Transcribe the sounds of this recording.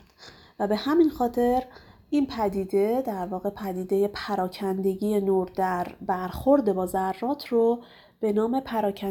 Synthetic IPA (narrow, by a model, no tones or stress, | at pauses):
væbe̞hæminxɒːt̪ʰe̞ɾ | inpʰæd̪iːd̪e̞d̪æɾvɒːɣe̞pʰæd̪iːd̪e̞je̞pʰæɾɒːcʰænd̪e̞ɟiːje̞noɾd̪æɾbæɾxo̞ɾd̪e̞bɒːzærːɒːt̪ʰro | b̥e̞nɒːme̞pʰæɾɒːcʰæ